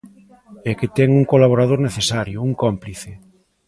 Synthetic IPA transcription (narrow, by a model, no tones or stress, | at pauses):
ɛket̪ɛŋuŋkolaβ̞oɾað̞oɾneθesaɾjʊuŋkompliθe